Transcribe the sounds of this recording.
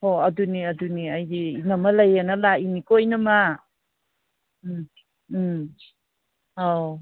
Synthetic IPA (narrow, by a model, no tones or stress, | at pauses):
hoɐduniɐduniɐjdinɐmɐlɐjanɐlainikojnɐma | a